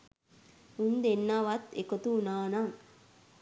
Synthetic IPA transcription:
und̪enːaʋɐt̪ekot̪unaːnan

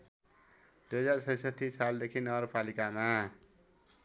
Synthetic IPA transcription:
d̪ujʌd͡zarsʌjsʌt̪ʰːisald̪ekʰinʌɡʌɾpalikama

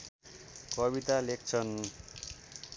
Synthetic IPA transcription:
kʌβit̪alek̚ʰt͡sʰʌn

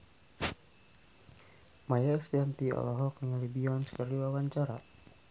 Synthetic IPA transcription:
majast̪iant̪iɔ̰lɔɦɔk̚dəŋalibiɔnskəriwawaɲt͡ʃaɾa̰

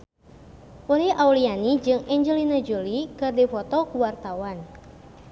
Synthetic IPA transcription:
ʔuliʔaulianid͡ʒɨŋɛɲd͡ʒɛlinad͡ʒulikɨrdifɔt̪ɔkuwart̪awan

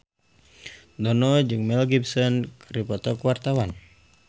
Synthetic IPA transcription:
d̪ɔnɔd͡ʒɨŋmɛlɡibsɔnkaɾipɔt̪ɔkuwart̪awan

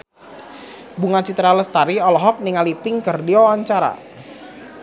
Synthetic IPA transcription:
buŋat͡ʃit̪ɾaləst̪aɾiɔlɔɦɔk̚niŋalipɪŋkərdiɔwaɲt͡ʃaɾa̰

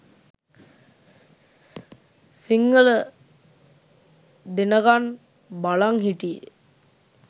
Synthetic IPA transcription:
siŋːələ | d̪enəɡan | balaŋɦiʈijə̰

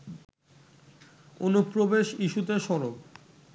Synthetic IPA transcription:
onupɾobeʃiʃut̪eʃɔɾob

